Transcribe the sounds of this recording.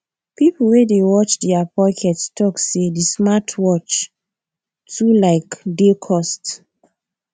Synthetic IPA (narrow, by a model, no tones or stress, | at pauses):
piplwedewɔt͡ʃdɛapɔkʰɛtstʰɔksedismatʰwɔt͡ʃ | tulaɪkdekʰɔst